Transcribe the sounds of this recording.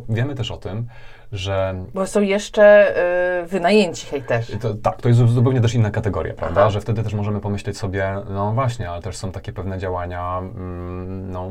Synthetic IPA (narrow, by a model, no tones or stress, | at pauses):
vʲjɛmɘt̪ɛʂɔt̪ɘm | ʐɛbɔsɔ̃w̃jɛʂt͡ʂɛ | vɘnajeɲt͡ɕi̥xajt̪ɛʂt̪ɔt̪ak̚t̪ɔjɛs̬zzupɛwɲɛt̪ɛʂinːakat̪ɛɡɔ̰ɾʲja̰pɾa̰vd̪aʐɛft̪ɛd̪ɘt̪ɛʂmɔʐɛmɘpɔmɘɕlɛt͡ɕsɔbʲjɛnɔvwaɕɲɛalɛt̪ɛʂsɔ̃w̃t̪akʲɛpɛvnɛd͡ʑawaɲa | nɔ